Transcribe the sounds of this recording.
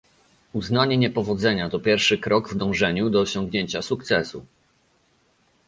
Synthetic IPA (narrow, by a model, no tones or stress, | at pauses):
uznaɲɛɲɛpɔvɔd̪zɛɲat̪ɔpʲjɛɾfʂɘkɾɔɡvd̪ɔ̃w̃ʐɛɲud̪ɔːɕɔ̃ŋɡɲeɲt͡ɕasukt̪sɛsṵ